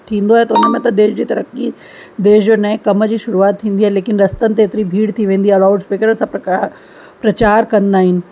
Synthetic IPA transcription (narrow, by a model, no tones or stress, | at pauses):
t̪ʰĩːnd̪oaːɦet̪ɐʊnəmẽt̪ɐd̪eːʃd͡ʑiːt̪ɐɾəki | d̪eːʃd͡ʑonɐɪ̃kːɐməd͡ʑiːʃʊɾuaːt̪ʰːĩːnd̪iaːɦeleːkɪnɾɐst̪ənɪ̆t̪̬eːt̪ɪɾibʱiːɽt̪ʰiʋẽːn̆d̪iɐlaːʊɖspeːkəɾənɪsãp | pɾɐt͡ɕaːɾkɐ̃nd̪aːɦɪnɪ̆